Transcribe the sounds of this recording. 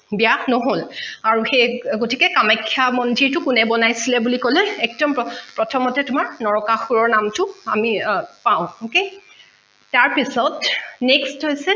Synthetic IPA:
bijanoɦolaɹuxejɡotikɛkamajkʰːijamɔndiɹtʊkunɛbɔnajsilɛbulikɔlɛɛk̚dɔmpɹɔtʰɔmɔtɛtʊmaɹnɔɹɔkaxuɹɔɹnamtʊamipaʊ̃okej | taɹpisɔtnɛkstɦojsɛ

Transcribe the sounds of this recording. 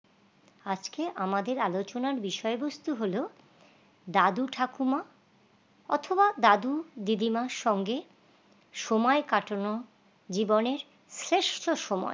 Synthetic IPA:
ad͡ʑkeʔamad̪eɾalot͡ɕonaɾbiʃɔebost̪uɦolo | d̪ad̪uʈʰakuma | ɔ̰t̪ʰobad̪ad̪ud̪id̪imaʃɔŋɡe | ʃomɔekaʈono | d͡ʑiboneɾ | sɾeʃʈʰoʃomɔ̰e

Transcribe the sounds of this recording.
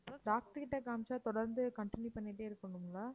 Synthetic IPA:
ɖaːk̚ʈɯkɪʈːɐkɐːmt͡ʃaːt̪ɔɽɐɾnd̪ɯkɐɳʈɪnjipɐnːiʈːeːɪɾɯkːɯɳɯmɡɐlaː

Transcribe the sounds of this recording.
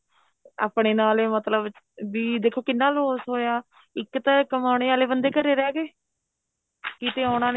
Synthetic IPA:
a̰ːpɳeːnaːleːmət̪ləb | biːd̪eːkʰːoːkɪnːaːloːsɦoːjaː | ɪkːt̪ãːkəmaːɽ̃eːaːleːbənd̪eːkəɾeːɾɛːɡeː | kiːt̪eːaːɽ̃ãːn

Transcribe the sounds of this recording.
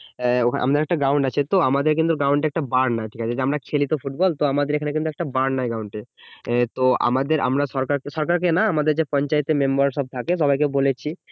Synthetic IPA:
okʰa̰mad̪eɾɛkʈaɡɾawɳɖat͡ɕʰet̪oamad̪eɾkint̪uɡɾaw̃ɳʈeɛk̚ʈabaɾnajʈʰi̥kat͡ɕʰed͡ʑamɾakʰelit̪ofuʈbɔlt̪oamad̪eɾekʰanekint̪uɛk̚ʈabaɾnajɡɾawɳʈet̪oʔa̰mad̪eɾʔa̰mɾaʃɔɾkaɾkeʃɔɾkaɾk̬enaamad̪eɾd͡ʑepɔnt͡ɕaet̪ememboɾʃɔb̚t̪ʰakeʃɔbajkebolet͡ɕʰi

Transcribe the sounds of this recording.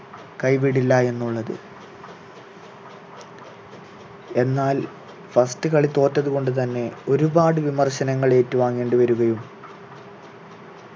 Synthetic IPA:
kɐjpiɽilːɐe̞nːuɭːɐðɨ̰ | e̞nːaːl | fɐstɨkɐɭit̪ːo̞ːtːɐðuko̞ɳɖɨt̪̬ɐnːe̞o̞ɾubaːɽɨʋimɐrɕɐnɐŋːɐɭe̞ːtːuʋaːŋːeːɳɖɨʋɐɾuɣɐjum

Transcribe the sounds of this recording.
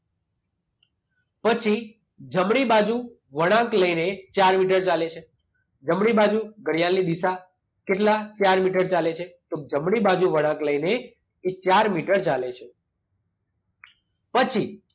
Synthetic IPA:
pət͡ʃʰi | d͡ʒəmɳ̃ibad͡ʒu | ʋəɽ̃ãkləinet͡ʃaɾmiʈ̬əɾt͡ʃalet͡ʃʰe | d͡ʒəmɳibad͡ʒuɡʱəɽijalid̪isa | keʈlat͡ʃaɾmiʈəɾt͡ʃalet͡ʃʰet̪od͡ʒəmɽibad͡ʒuʋəɽ̃ãkləineː | t͡ʃaɾmiʈəɾt͡ʃalet͡ʃʰe | pət͡ʃʰi

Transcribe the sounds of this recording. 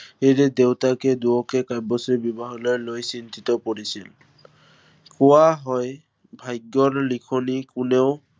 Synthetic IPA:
eɹɛdewtakɛduɔkɛkajbɔsibibaɦɔlɔjlojsintitɔpɔɹisil | kʊwaɦɔj | bʱajɡjɔɹlikʰɔnikʊneʊ

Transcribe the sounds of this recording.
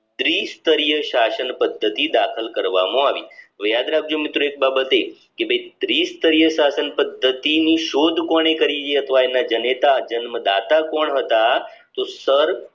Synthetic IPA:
t̪ɾist̪əɾijəʃasənpəd̪ʱːət̪id̪akʰəlkəɾʋa̰mõaʋḭʋjad̪ɾaɡ̚d͡ʒomit̪ɾoek̚babət̪e | kebʱəit̪ɾiːst̪əɾijəʃasənpəd̪ʱːət̪iniʃod̪ʱkɔɳ̃ekəɾid͡ʒeət̪ʰʋaenːad͡ʒənet̪ad͡ʒənməd̪a̰t̪akɔɳɦət̪a | t̪osəɾ

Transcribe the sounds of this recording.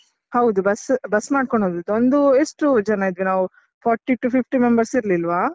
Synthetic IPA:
hɐwd̪ubɐsbɐsmaːɖ̚koɳoːd̪ut̪ond̪uesʈud͡ʒɐnaid̪ʋinaːʋu | pʰaːɾʈiʈupʰipʰʈimembɐɾsiɾlilʋaː

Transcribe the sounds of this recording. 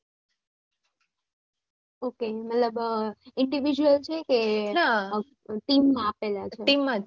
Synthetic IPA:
okemət̪ləbɪɳɖiʋid͡ʒuəlt͡ʃʰekena | ʈimːãapelat͡ʃʰeʈimːã

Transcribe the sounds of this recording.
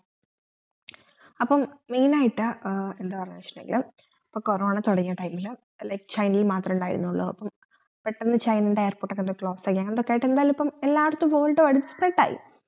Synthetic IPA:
ɐpːɐmmiːnaːjiʈːɨend̪ɨpɐrɐɲːɐʂnmeŋɡil | pːoːkorɐmaːɳɨt̪oɽɐɲːɐʈːɐjmil | lɐjkɨ̥t͡ɕɐjnlilmaːt̪rɐmuɳɖaːjḭɾṵnːuɭːɐ̰ðɐ̰pːɐm | peʈːɐnːɨt͡ɕɐjninɖeejɐrpoːʈːokːend̪kɭo̞ːsakːijaːŋend̪okːeajʈːe̞nd̪aːjlumipːɐmelːaːɽɐt̪ːumʋo̞ːlʈːɨʋɐɽisɨ̥preʈːa̰ːjḭ

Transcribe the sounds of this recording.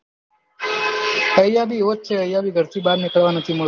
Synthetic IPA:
əjjabiʋot̪̚t͡ʃʰeəjabiːɡʱəɾt̪ʰibaːd̪nɪkəɭʋanət̪ʰimʊ

